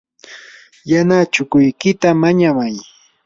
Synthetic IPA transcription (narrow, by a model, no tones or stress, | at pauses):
janat͡ʃʊkʊjkɪt̪amaɲamaj